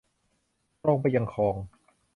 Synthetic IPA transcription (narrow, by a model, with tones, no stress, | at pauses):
ɔː˧˩ŋpa˧jːa˧ŋkʰɔː˨˧ŋ